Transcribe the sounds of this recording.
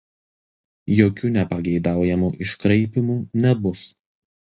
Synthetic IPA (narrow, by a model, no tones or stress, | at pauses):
joːkʲuːnʲɛpɐɡʲɛɪd̪ɑˑʊjɛmuːʔɪʃkɾɐɪpʲɪmuːnʲɛbʊs